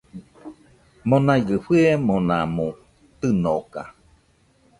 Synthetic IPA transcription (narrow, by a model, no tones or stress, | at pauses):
monaiɡɨɸɯemonamũ | t̪ɨnoka